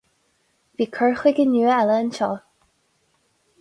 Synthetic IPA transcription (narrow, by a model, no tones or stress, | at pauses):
pikʰəxwekenyaləənt͡ɕʰɑ